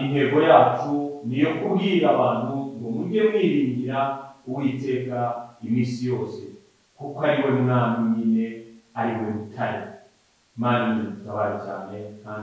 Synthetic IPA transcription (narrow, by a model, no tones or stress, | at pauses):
inhe̞ɡo̞jaːtunijo̞kubɡiɾaβaːn̥huŋɡomuɟemwiːɾiːŋɡiɾauwite̞ːkaimiːsijo̞ːse̞ | kukoaɾiwe̞mŋaːmiɲine̞aɾiwoβutʰaɾi | maːnimutaβaɾat͡ʃa̰ːnekaːn